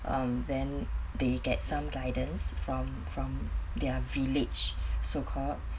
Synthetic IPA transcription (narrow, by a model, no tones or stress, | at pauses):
ʔãmdɛ̃ndeɡɛ̰t̚sãmɡaɪdə̃nsfɹɔ̃m | fɹɔ̃md̪ɛəvilɪd͡ʒsokʰɔld